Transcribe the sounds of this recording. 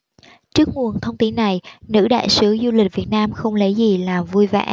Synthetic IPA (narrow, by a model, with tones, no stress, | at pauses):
t͡ɕɨ˦˥ək̚ŋu˨˩ənt̪ʰə˧wŋ͡mt̪i˨˦nːa˨˩jnɨ̰˧˥ɗa̰ː˧˨jsɨ˨˦zu˧li˨˩k̟̚vi˨˩ət̚naː˧mxə˧wŋ͡mlə˨˦jzi˨˩laː˨˩vu˧jva̰˧˩˦